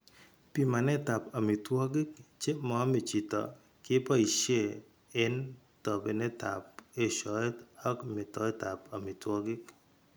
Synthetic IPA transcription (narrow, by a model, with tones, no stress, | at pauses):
pi˦ma˨nɛ˦ta˨pa˨mɪ˨twɔ˦ɡɪ˦k̚t͡ʃe˦mɔ˨˦mɪ˨t͡ʃi˨tɔ̰˨ | kɪ˦pa˦i˨ʃje˦˨ | ɪ˦n | tɔ˨be˨ne˦ta̰˨p̚e˦ʃɔ˨˦tɔ˦kmɪ˨tɔ˦ta˨pa˨mɪ˨twɔ˦ɡɪ˦k